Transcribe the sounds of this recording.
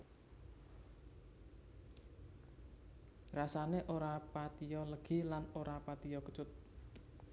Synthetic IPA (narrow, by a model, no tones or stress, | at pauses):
rasaneʔoɾapat̪ijɔləɡ̥ilanoɾapat̪ijɔkə̥t͡ʃʊt̪̚